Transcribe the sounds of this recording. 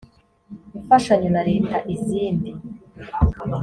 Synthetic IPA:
iuɱfaʃaɲonaɾeːtaʔiziːndi

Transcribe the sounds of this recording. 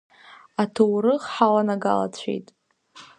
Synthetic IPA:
atʰowɾɨχħalanaɡa̰la̰t͡ɕʷʰḛjtʼ

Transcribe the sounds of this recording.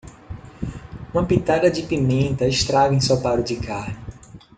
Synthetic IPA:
ũmɐpit̪ad̪ɐd͡ʒɪpimẽnt̪ɐɪʃt̪ɾaɡẽsopaɾʊd͡ʒɪkʰaɾnɪ

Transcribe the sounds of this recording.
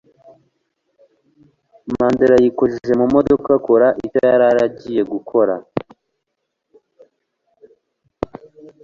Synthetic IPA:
maːndeɾajikozeʒe̞mumo̞do̞kako̞ɾaʔitaaɾaɾaɟije̞ɡukʰo̞ɾa̰

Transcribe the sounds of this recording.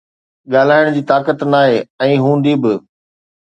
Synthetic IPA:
ɠaːl̤aːɪɽ̃d͡ʑiːt̪aːkət̪naːɦeːɛ̃ːɦũːnd̪ibɪ

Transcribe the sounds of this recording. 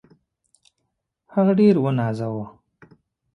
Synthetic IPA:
haɣaɖeɾwənɑːzawo

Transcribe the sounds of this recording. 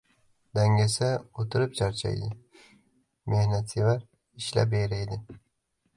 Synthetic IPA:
d̪aŋɡʲasaot̪ʰɪɾɪp̚t͡ʃʰaɾt͡ʃʰa̰jd̪ɪ | mʔehnat̪sevaɾ | ɪʃla̰p̬ejɾajd̪ɪ

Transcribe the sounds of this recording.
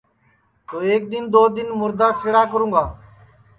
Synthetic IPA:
t̪oːeːk̚d̪ɪnd̪oːd̪ɪnmʊɾd̪aːsɪɽaːkəɾũːŋɡaː

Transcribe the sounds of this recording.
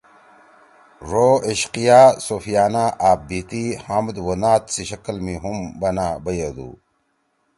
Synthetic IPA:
ɾoiɕqijaːsoːfijaːnaːʔaːb̚bit̪ihamd̪wonaːt̪siɕɐkəlmiɦumbɐnaːbɐjed̪ṵː

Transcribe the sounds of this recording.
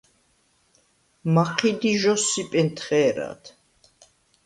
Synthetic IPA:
maqʰid̪iʒɔsːipʼɛnt̪ʰχɛːɾa̰t̪ʰ

